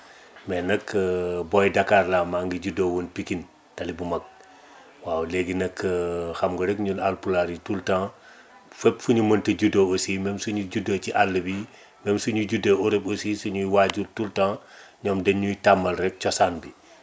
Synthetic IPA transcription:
mɛnɐkːbɔjdakaːrlaːmaːŋɡiɟudowonpikin | tɐlibumɐk̚ | waːwleɡinɐkːxɐmɡɐɾɛkɲunalpulaɾitultãː | fɛpfuɲumɐntɐɟudoosimɛmsuɲuɟudociʔalːəbi | mɛmsuɲuɟudouɾɛbosisuɲujwaːɟultultãːɲɔːmdɛɲujtamːɐlrɛk̚t͡ʃɔsanbi

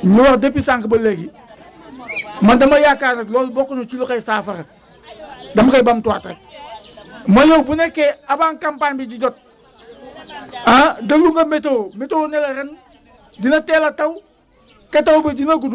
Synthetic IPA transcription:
ɲuwakdepisaŋkibɐleki | mandamajakaːnaklɔːlbokːunot͡ʃilokajsaːfaɾ | damkajbamtuwa̰tɾḛk̚ | majowbunekːeabaŋkampaɲbid͡ʒid͡ʒot̚ | adaluŋɡametometownelaɾen | dinatelataw | katawbedinak̬udu

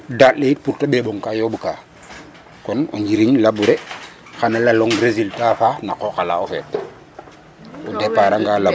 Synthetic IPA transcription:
datlejit̚puɾtaɓeɓoŋkajoɓukaː | kono̰ɲd͡ʒiɾiŋlabuɾe | xanalaloŋɡɾeziltafanakoxala̰ofḛːt̚ | odepaɾaŋɡaːla

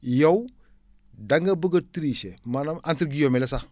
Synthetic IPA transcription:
jow | daŋɡabəɡatiɾiʃemanamantɾɡijomelesa

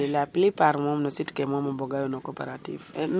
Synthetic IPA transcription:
elaplipaɾmɔmnɔsitkɛmɔmabɔɡajonɔkopeɾatḭvn

